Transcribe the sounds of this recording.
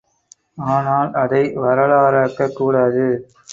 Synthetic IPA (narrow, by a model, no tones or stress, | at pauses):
aːnaːlɐðɐɪʋɐɾɐɭaːɾaːkːɐkːuːɽaːðɯ